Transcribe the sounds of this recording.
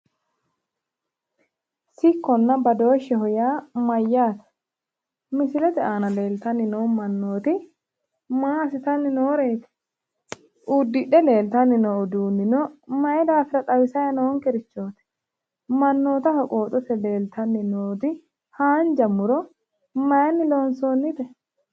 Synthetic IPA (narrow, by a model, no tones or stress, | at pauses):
sɪkːɔnːɐbɐd̪o̞ːʃːɛɦɔjaːmɐjːaːt̪ɐ̥ | mɪsɪlɛt̪ɛʔaːnɐle̞ːlt̪ɐnːɪnoːmɐnːo̞ːt̪ɪ | maːsɪt̪ɐnːɪnoːɾe̞ːt̪ɛ̥ | ʔud̪ːɪɗɛle̞ːlt̪ɐnːɪnɔɔd̪uːnːɪnɔmɐʔɛd̪aːfɪɾɐt̪ʼɐwɪsɐjɐnɔɔŋkɛɾɪt͡ʃːo̞ːt̪ɛ̥ | mɐnːo̞ːt̪ɐhɔkʼo̞ːt̪ʼɔt̪ɛle̞ːlt̪ʰɐnːɪnoːt̪ɪ | haːnd͡ʒɐmʊɾɔ | mɐjɐnːɪloːnsoːnːɪt̪ɛ